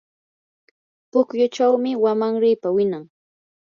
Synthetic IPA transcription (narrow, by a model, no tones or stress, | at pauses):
pʊkjʊt͡ʃawmɪwamaŋɾɪjpawɪnaŋ